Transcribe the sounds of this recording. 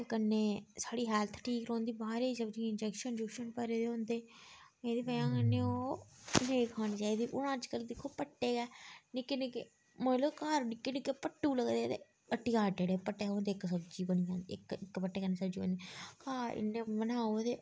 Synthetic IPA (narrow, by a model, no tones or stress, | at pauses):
t̪eːkənːeːsaːɽiːɦɛːlt̪ʰʈʰiːkɾõːnd̪iːbaːɾeːisəbd͡ʒiːɪnd͡ʒɛkʃənd͡ʒʊkʃənpəɾeːd̪eːɦõːnd̪eː | mẽːd̪iːpəjãːkənːeːoːneĩkʰaːñiːt͡ʃaːiːd̪iːʔʊnãːt͡ʃkəld̪ɪkʰːoːpəʈːeːɡɛːnɪkːenɪke | mə̃ːloːkaːɾnɪkːeːnɪkːeːpəʈːuːləɡd̪eːt̪ḛ | əʈːiːkaːʈeːɽeːpəʈːeːɦoːnd̪eːɪksəbd͡ʒiːbəɳijãːɪ̰kɪkːpəʈːeːkənːeːsəbd͡ʒiːbo̰nd̪ekaːɪ̰nːẽːbənaːoːd̪eː